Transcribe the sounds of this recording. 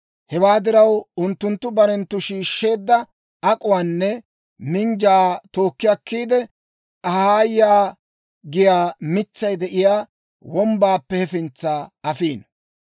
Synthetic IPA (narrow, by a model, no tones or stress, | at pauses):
hɛwaːd̪ɪɾɐwʊnt̪ːʊnt̪ːʊbɐɾɛnt̪ːʊʃiːʃːe̞ːd̪ːɐ | ɐkʼʊwaːnːɛ | mɪnd͡ʒaːt̪o̞ːkːɪjɐkːiːd̪ɛ | ʔɐhaːjaː | ɡɪjaːmɪt͡sːɐjd̪ɛʔɪjaː | wɔmbaːpːɛhɛfɪnt͡sːaːɐfiːn